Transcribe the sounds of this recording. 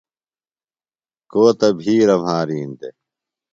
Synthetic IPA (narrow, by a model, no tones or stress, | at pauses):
koːt̪ɐbʱiːɾɐm̤ʱaːɾiːnd̪ḛ